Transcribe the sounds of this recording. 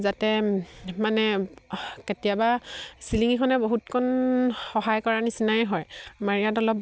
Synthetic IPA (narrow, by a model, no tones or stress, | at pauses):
zatɛmanɛ | ketijabasiliŋikʰɔnɛboɦutkʰɔnxɔɦajkɔɹanisinajɦɔjmaɹijatɔlɔp